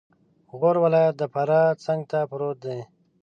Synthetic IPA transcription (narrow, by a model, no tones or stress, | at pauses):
ɣoːɾwalajət̪̚d̪əpaɾat͡saŋɡ̚t̪apɾot̪̚d̪e